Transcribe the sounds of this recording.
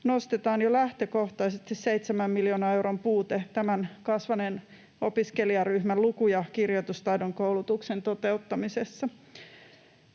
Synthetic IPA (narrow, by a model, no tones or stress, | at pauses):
nost̪et̪ɑːnjolæht̪øko̞ht̪ɑjsest̪isseit̪semæmːiljoːnɑewrompuːt̪et̪æmænkɑsʋɑnen | opiskeliɑryhmælukujɑkirjot̪ust̪ɑjdoŋkowlut̪uksent̪o̞t̪eut̪ːɑmisesːɑ